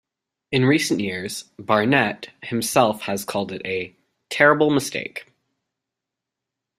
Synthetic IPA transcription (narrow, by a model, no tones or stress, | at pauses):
ɨ̃nɹisn̩ʔjɪɹz̥bɑɹnɛt̚hɨ̃msɛlˠfhɨz̥kʰɔlˠdɨɾɨ | tʰɛɹɨbl̩ˠməstḛɪk